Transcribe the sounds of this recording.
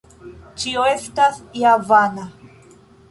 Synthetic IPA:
t͡ʃioestasjavana

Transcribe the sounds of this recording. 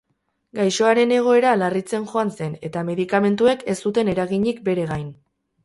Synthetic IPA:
ɡajʃo̞aɾe̞ne̞ɣ̞o̞e̞ɾalarit͡se̞nʝo̞anse̞ne̞t̪ame̞ðikame̞nt̪ue̞ke̞st̪ut̪e̞ne̞ɾaɣiɲikbe̞ɾe̞ɣajn

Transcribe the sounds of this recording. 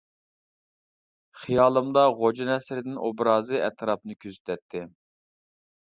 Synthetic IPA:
χijɑːlˠɨmd̪ɑʁod͡ʒinɛsɾɪd̪ɪnʔobɾɑːzɨɛ̰t̪ʰɾɑp̚nɨkʲʰøzy̥t̪ʰɛt̪ʰːɪ

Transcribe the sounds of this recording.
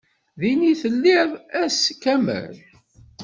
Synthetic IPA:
ðiniθəlːiðˤæskæmə̰l

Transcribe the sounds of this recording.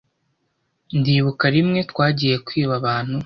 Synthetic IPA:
ndiːβukaɾimŋe̞twaːɟiːje̞kwiːβaβaːn̥hu

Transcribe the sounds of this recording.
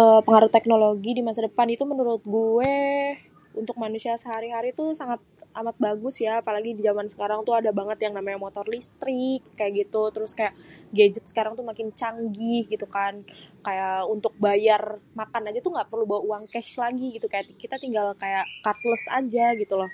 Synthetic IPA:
ʔəpəŋaɾʊt̪ɛk̚noloɡidimasadəpanit̪umənuɾʊt̪̚ɡue | unt̪ʊk̚manusiasəɦaɾiɦaɾit̪usaŋat̪̚ʔamat̪̚baɡʊsjaːpalaɡidid͡ʒamansə̥kaɾaŋt̪uadabaŋət̪jaŋnamaɲamot̪ɔrlist̪ɾɪkːajaʔɡit̪ut̪əɾʊskajaʔɡed͡ʒət̪̚sə̥kaɾaŋt̪umakɪnt͡ʃaŋɡɪhɡit̪ukankajaʔunt̪ʊk̚bajarmakanad͡ʒat̪uŋɡaʔpərlubawaʔuaŋkɛʃlaɡiɡit̪ukajaʔt̪kit̪at̪iŋɡalkajaʔkart̪ləsa̰d͡ʒaɡit̪ulɔh

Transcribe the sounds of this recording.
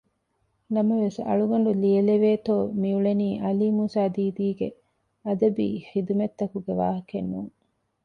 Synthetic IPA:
nɐmɐʋesɐ̰ɭuɡɐɳ̆ɖuliɐleʋeːt̪oːmiuɭeniːʔɐliːmusaːd̪iːd̪iːɡḛ | ɐd̪ɐbḭːxid̪umet̪ːɐkuɡeʋa̰ːɦɐkenːuːŋ

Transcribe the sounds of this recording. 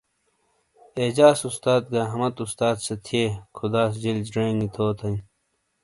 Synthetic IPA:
eːd͡ʑaːsust̪aːd̪̚ɡaːɦɐmɐt̪ust̪aːd̪sɐt̪ʰieːkʰud̪aːsd͡ʑild͡ʑɖeːŋɡit̪ʰoːt̪ʰɐĩ

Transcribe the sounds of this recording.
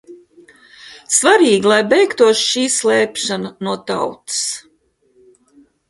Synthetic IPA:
svaɾiːɡilˠajbɛjkt̪uɔʃʃiːslɛːpʃananuɔt̪a̰wt̪ɨ̥s

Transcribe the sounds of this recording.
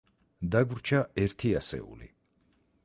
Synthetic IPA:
d̪aɡvɾt͡ʃʰaɛɾt̪ʰiasɛ̰ṵlḭ

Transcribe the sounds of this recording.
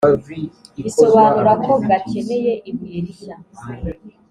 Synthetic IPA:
iso̞βanuɾakʰo̞ɡace̞ne̞je̞ʔimeɾija

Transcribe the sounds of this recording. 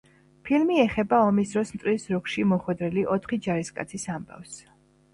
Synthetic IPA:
pʰilmiɛχɛbaɔmisd̪ɾɔsmt̪ʼɾisɾukʃimɔχwɛd̪ɾɛliʔɔt̪ʰχid͡ʒaɾiskʼa̰t̪sʰisamba̰fs

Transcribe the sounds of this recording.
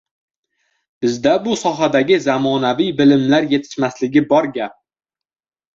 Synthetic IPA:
b̥ɪzd̪abʊsɒɦad̪aɡʲɪzamɒnavijbɪlɪmlaɾje̞t̪ʰɪ̥ʃmaslɪɡʲɪbɒɾɡʲap̚

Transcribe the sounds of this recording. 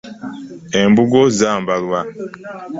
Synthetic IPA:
embuɡozaːmbalwa

